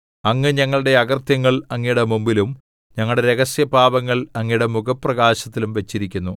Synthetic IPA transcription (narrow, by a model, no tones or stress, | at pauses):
ɐŋːɨɲɐŋːɐɭɨɽe̞ɐɡɐrt̪jɐŋːɐɭɐŋːijuɽemumbilum | ɲɐŋːɐɭɽe̞ɾe̞ɡɐsjɐbʱaːbɐŋːɐɭɐŋːijuɽemuɣɐpːrɐɡaːɕɐt̪ːilumʋɐt͡ɕːiɾikʲːunːu